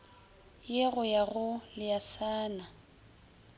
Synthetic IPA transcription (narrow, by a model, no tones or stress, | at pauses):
jeɣʊjaɣʊlɪjasaːna